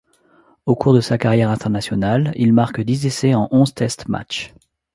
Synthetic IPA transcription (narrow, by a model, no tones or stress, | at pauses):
okʰuʁd̪əsakaʁjɛʁɛ̃t̪ɛʁnasjɔnalilmaʁkd̪izesɛɑ̃ʔɔ̃zt̪ɛst̪ma̰t͡ʃ